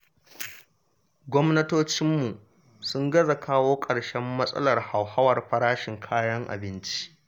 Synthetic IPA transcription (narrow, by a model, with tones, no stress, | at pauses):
ɡʷɔ˦mnɐ˦toː˦t͡ʃɪ˦mːu˨ | sʊ˦ŋɡɐ˦za˨kʰaː˦woː˦kʼɐ˨ɽʃɛ˦mːɐ˦sʼɐ̰˦lɐ˨rha˨wha˦wɐ˨rɸɐ˦ɽaː˦ʃɪ˨ŋkʰaː˦jɐ˦ŋʔa̰˨bɪ˦nt͡ʃi̥˦ʔ